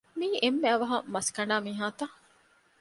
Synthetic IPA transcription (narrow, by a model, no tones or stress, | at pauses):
miːʔemːeɐʋɐɦɐmɐskɐɳɖaːmiːɦaːt̪a